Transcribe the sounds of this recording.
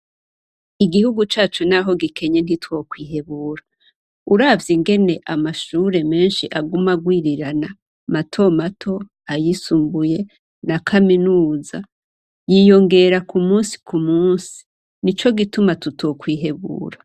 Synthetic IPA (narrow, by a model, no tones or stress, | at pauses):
iɡihuɡut͡ʃaːt͡ʃonaɦo̞ɡikʰe̞ɲe̞n̥itwo̞ːkwiːɦeβuːɾa | uɾavjiŋɡe̞ne̞ʔamaʃuːɾe̞me̞ːnʃiʔaɡumaɡwiːɾiɾana | matʰo̞matʰo̞ | ajisumbuje̞ | nakʰaminuːza̰ | jijo̞ŋɡe̞ɾakumuːnsi̥kʰumuːnsi̥ | nit͡ʃo̞ɡitumatutʰo̞ːkwiːɦe̞βṵːɾa